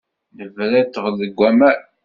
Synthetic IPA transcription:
nəvɾæt̪ːəʁðəɡʷːæmæ

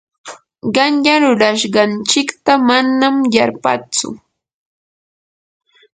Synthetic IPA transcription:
ɢɑnʎaɾʊɾaʃɢɑnt͡ʃɪkt̪amanːamjaɾpa̰t͡sʊ̰

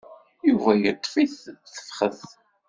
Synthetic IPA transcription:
juvæjət̪ˤːfiθθə̥fχəθ

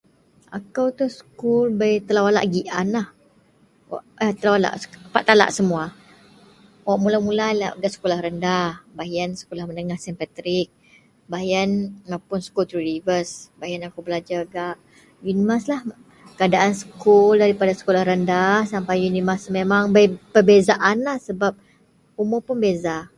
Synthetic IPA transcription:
a̰kawt̪uhsə̥kulbajt̪əlawala̰ʔɡiʔanlah | wa̰ʔat̪əlawala̰ʔspaʔt̪ala̰ʔsəmua | waʔmulamulajlaʔɡaʔsə̥kolahɾəndahbaɦiansə̥kolahmənəŋahsɛmpat̪ɾik̚ | baɦianmapʊnsə̥kult̪ɾuɾivəsbaianakubəlad͡ʒaɡaʔ | junimaslah | kəadaʔansə̥kuldaɾipadasə̥kolahrəndahsampajjunimasmemaŋbəpərbezaʔanlahsəbap̚ | umʊrpʊnbeza

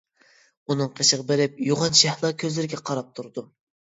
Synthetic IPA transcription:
unɨŋqʰəʃəʁɑbɪɾɪp̚juʁɑnʃɛhlˠɑkʲʰøzlɪɾɪɡʲɛqʰɑɾɑp̚t̪ʰuɾd̪u

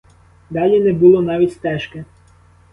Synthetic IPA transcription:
d̪ɑlʲinɛbulˠɔnɑʋʲitʲst̪ɛʃke

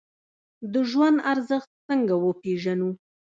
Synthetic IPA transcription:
d̪əʒwand̪aɾzəxt̪̚t͡səŋɡawəpeʒanu

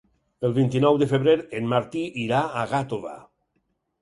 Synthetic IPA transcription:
elˠβint̪inɔwðefeβɾeɾenmaɾt̪iʔiɾaːɣat̪oβa̰

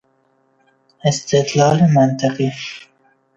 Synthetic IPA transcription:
ɪst̪ɪt̪lɑːlimant̪ɪqi

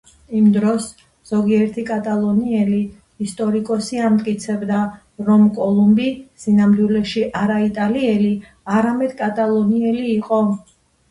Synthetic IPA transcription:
imd̪ɾɔs | z̥ɔɡiɛɾt̪ʰikʼat̪ʼalˠɔniɛliː | st̪ʼɔɾikʼɔsiamt̪ʼkʼit̪sʰɛbd̪a | ɾɔmkʼɔlˠumbisinamd̪wilɛʃiʔaɾait̪ʼaliɛli | aɾamɛd̪̥kʼat̪ʼalˠɔniɛliːqʼɔ

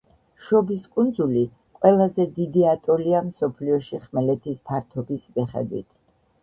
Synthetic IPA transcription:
ʃɔbiskʼund̪zuli | qʼwɛlˠazɛd̪id̪iat̪ʼɔliamsɔpʰliɔʃiχmɛlɛt̪ʰisp̪ʰaɾt̪ʰɔbismiχɛ̰d̪wḭt̪ʰ

